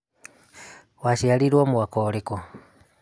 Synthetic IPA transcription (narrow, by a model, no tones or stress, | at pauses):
waʃialiɾwamuwakɔlikɔ